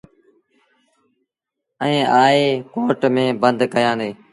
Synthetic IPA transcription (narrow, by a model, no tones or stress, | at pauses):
əẽːʔaːeːkoːʈmẽːbənd̪kəjãːd̪eː